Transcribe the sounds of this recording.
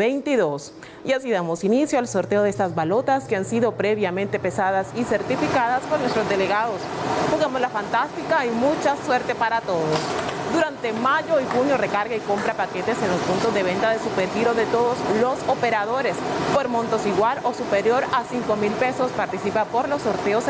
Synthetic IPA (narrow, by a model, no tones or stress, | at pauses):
ejnt̪iðos | jasiðamosinisjoalso̞ɾt̪e̞oðest̪azβalo̞t̪askeansiðo̞pɾe̞βjamẽ̞nt̪e̞pe̞saðasise̞ɾt̪ifikaðaspoɾnwest̪ɾozd̪e̞leɣaðospoɣamozlafant̪ast̪ikaimut͡ʃaswe̞ɾt̪epaɾat̪o̞ðosd̪uɾant̪e̞maʝo̞ixunjore̞kaɾɣaiko̞mpɾapake̞t̪e̞se̞nlo̞spunt̪o̞zðe̞β̞e̞nt̪aðe̞supeɾxiɾoðe̞t̪o̞ðo̞slo̞sope̞ɾaðo̞ɾe̞spo̞ɾmõ̞nt̪o̞siɣwalo̞supe̞ɾjo̞ɾasiŋko̞milpe̞so̞spaɾt̪isipapo̞ɾlo̞sːo̞ɾt̪e̞os